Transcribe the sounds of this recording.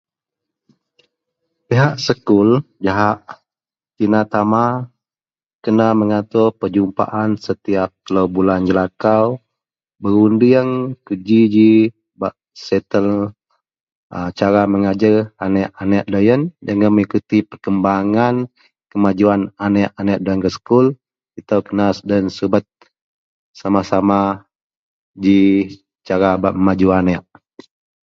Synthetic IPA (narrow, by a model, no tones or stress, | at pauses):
piɦaʔsəkʊld͡ʒaɦaʔ | t͡ʃinat̪ama | kənaməŋat̪ʊrpərd͡ʒumpa̰ʔansət̪iap̚t̪əlowbuland͡ʒəlakaw | bəɾundiəŋkud͡ʒid͡ʒi | baʔ | sɛt̪əl | ət͡ʃaɾaməŋad͡ʒəranɛʔanɛʔdajənd͡ʒaŋaməŋikut̪ipərkəmbaŋan | kəmad͡ʒuananɛʔanɛʔdaənɡəskul | it̪awkənasdansubət̪̚ | samasama | d͡ʒi | t͡ʃaɾabaʔməmad͡ʒuanɛʔ